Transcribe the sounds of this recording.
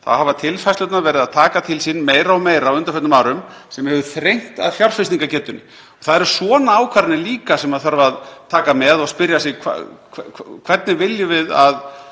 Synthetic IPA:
θa̰ðhavat̪ʰɪlfajslœt̪navɛːɾɪðaðt̪ʰaːkat̪ʰɪlsɪnːmeːjɾaɔmeːjɾaːwʏnt̪aɾfœt̪nʏmaːwɾʏmsɛmhɛvʏθɾejŋ̥t̪a̰ðfjawr̥fɪsiŋkacɛːt̪ʏnɪ | ɔθaðɛɾ̥svɔːnaaːwkʰvaɾɪnɪliːkasɛmaðθœɾvaːðt̪ʰaːkamɛðɔɣspɪɾjasɪɣkʰa̰kʰkʰv̥ɛt̪nɪvɪljʏvɪðað

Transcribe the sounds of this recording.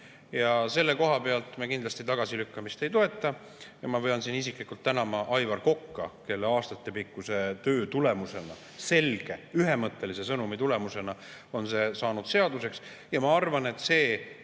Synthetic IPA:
jɑse̞lːe̞ko̞ɦɑpe̞ɑlt̪mekind̪lɑst̪it̪ɑɡ̥ɑsilykːɑmist̪e̞jt̪o̞e̞t̪ˑːɑ | jɑmɑvɤjɑnsinis̬iklikːult̪ːænɑmɑʔɑjvɑrko̞kːɑ̰ke̞lːeɑːst̪ɑt̪ːˑe̞pikːˑuse̞t̪ø̞ːt̪ule̞muse̞nɑ̰ | se̞lɡ̥e̞yɦe̞mɤt̪ˑːe̞lise̞sɤnumit̪ule̞muse̞nɑ | o̞nse̞ːsɑːnud̪̥se̞ɑd̪use̞ks | jɑmɑɑrvɑne̞t̪ːˑse̞ː

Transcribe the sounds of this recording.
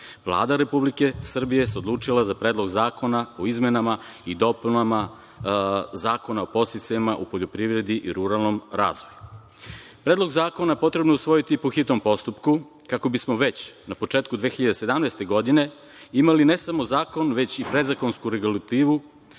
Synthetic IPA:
ʋlˠa̰ːd̪aɾe̞publike̞sr̩bijeseod̪lˠuːt͡ʂilazapɾe̞ːd̪lˠo̞ɡzaːko̞naoizmenamaid̪o̞punama | zaːko̞naopo̞st̪it̪saimaʔupo̞ʎo̞pɾiʋɾe̞d̪iʔiɾuɾalˠno̞mɾa̰ːzʋo̞ju | pɾeːd̪lˠo̞ɡzaːko̞naepo̞t̪ɾe̞bnousʋo̞jit̪ipoxit̪no̞mpo̞st̪upku | kako̞bismo̞ʋe̞t͡ɕnapo̞t͡ʂeːt̪kud̪ʋeːxiʎad̪ese̞d̪amnejst̪e̞ɡo̞d̪ine̞ | imaline̞samo̞zaːko̞nʋe̞t͡ɕipɾe̞d̪zako̞nskuɾeɡulˠat̪iːʋu

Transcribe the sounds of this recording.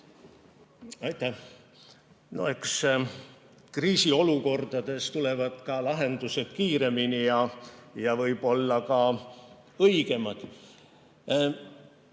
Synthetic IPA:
ɑjt̪ːˑæh | noeks | kriːsio̞luko̞rd̪̥ɑd̪̥e̞st̪ule̞vɑd̪̥kɑlɑɦe̞nd̪̥use̞d̪̥kiːɾe̞minijɑjɑvɤjb̥o̞lːɑkɑ | ɤjɡ̥e̞mɑd̪̥

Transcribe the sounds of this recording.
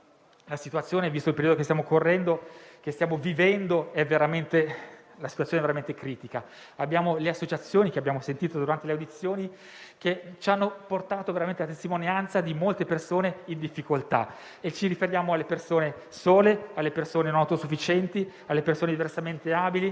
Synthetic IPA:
lasit̪uat̪sjoːnevist̪oilpeɾiod̪okest̪jamokorːɛnd̪ok̟est̪jaːmovivɛnd̪oɛveɾament̪e | lasit̪wat̪soneɛveɾament̪ekɾiːt̪ika | abːjaːmoleasːot͡ʃat̪sːjoːnikeabjaːmosent̪iːt̪od̪uɾant̪eleawd̪it̪sːjoːni | ket͡ʃianːoport̪aːt̪oveɾament̪elat̪est̪imonjant̪sad̪imolt̪epersoːneind̪ifːikolt̪a̰ | et͡ʃiɾifeɾjaːmoalːepersoːne | soːlealːepersoːnenonawt̪osufːit͡ʃɛnt̪i | alːepersoːned̪iversament̪eaːbili

